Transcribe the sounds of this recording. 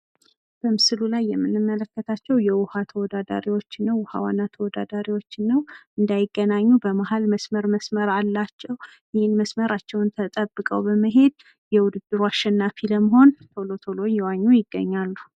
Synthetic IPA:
b̥əmɨsɨlulajːɛmːɨnːɨmːələkːət̪ʰat͡ʃːɛwjɛwʊhat̪ʰəwɔd̪ad̪a̰ɾiwo̞t͡ʃːnːəwʊha̰wanːat̪ʰəwɔd̪ad̪aɾiwo̞t͡ʃːɪnːəwʔɨnd̪ajɪɡːənaɲːubəmaɦalməsməɾməsməɾalːat͡ʃːɛw | jɪhɨnməsməɾat͡ʃːɛwnt̪ʰət̪ʼəbːɨkʼə̰wbəməɦe̞d̪̚ | jɛwʊd̪ɨd̪ːɨɾuaʃɛnːafiləməɦo̞nt̪ʰolo̞t̪ʰolo̞jɛwaɲːujɪɡːə̰ɲːalːu

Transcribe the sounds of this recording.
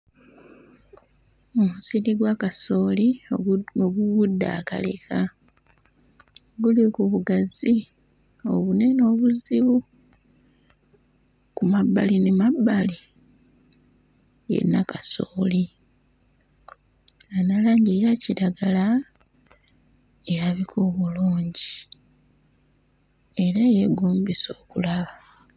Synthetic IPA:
omusiliɡwakaso̞ːli | oɡuβudːa̰ːka̰lḛkʰa | ɡulikuβuɡazi | o̞̰βune̞no̞ːβuziβu | kumabːalinemabːali | jḛnːakasoːli | analaːɲɡijaciɾaɡala | eɾaβikʰo̞ːβuluːɲɟi | e̞ɾaje̞ɡuːmbiso̞ːkulaβa

